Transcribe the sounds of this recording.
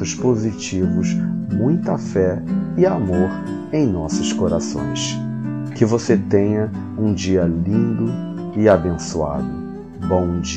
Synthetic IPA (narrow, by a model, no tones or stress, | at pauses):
ʊspozit͡ʃivʊsmũj̃t̪ɐfɛɪamoɾ | ẽj̃nɔsɐskoɾasõ̰j̃s | kɪvoset̪ẽɲɐ | ũd͡ʒiɐlĩnd̪ʊ | ɪabẽsua̰d̪ʊ | bõw̃d͡ʒ